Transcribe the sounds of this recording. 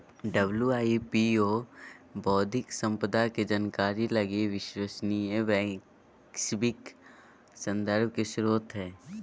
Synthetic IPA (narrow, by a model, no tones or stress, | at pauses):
ɖəbljuaːipioːbɔːd̪ʱɪksə̃mpəd̪aked͡ʒənkaːɾilɐɡiʋɪʃwəsniẽʋɛː | kʃbɪk | sə̃nd̪əɾb̚ʱkesɾoːt̪ɦɛː